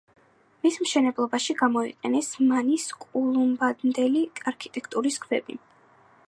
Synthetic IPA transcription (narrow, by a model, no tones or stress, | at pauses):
mismʃɛnɛblˠɔbaʃiɡamɔḭqʼɛnɛsmaniskʼulˠumbad̪nd̪ɛliaɾkʰit̪ʼɛkʰt̪ʼuɾiskʰvɛ̰bḭ